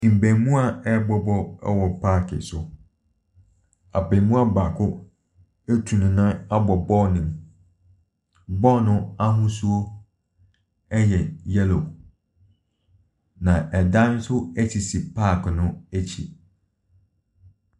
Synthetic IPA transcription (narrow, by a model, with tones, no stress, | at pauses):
m̩˨bæ̃˨˦mũ˦a˦˨ɛ˦bɔ˦bɔ˦ɛ̰˦wɔ˨pʰaː˦˨kʰɪ̰˨sʊ˨ | a̰˨bɪ˨mũ˦a˦ba˨kʰʊ˦ | æ˦tʰu˨nʊ̃˨nã˦a˦bɔ˨bɔ˦nɪ̃˨m | bɔ˦nʊ̃˦a˦ɦʊ̃˦su˦o˦ | ɛ˦jɛ˨jɛ˦lo˨ | nã˨ʔɛ˨dã˦n̩˦sʊ˦æ˦t͡ɕʰi˨si˨pʰa˦˨knʊ̃˦æ˦t͡ɕʰḭ˨